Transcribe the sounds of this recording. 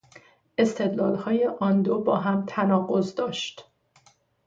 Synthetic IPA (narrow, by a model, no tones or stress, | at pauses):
ʔe̞st̪ʰe̞d̪lɒːlhɒːjeʔɒnd̪obɒːɦæmt̪ʰænɒːɣo̞zd̪ɒːʃt̪